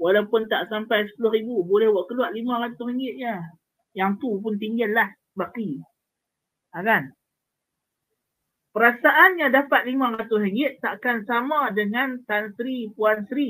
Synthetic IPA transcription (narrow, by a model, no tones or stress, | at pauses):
walawpʊnt̪aʔsampajsə̥pulʊɦɾibubolɛhwaʔkəluaʔlimãɾat̪ʊshəŋɡɪt̪̚ɲa | jaŋt̪up̬ʊnt̪̬iŋɡəllah | baki | akan | pəɾasaʔanɲadapat̪̚limãɾat̪ʊsəŋɡɪt̪ːaʔkansamãdəŋant̪ansɾipuansəɾi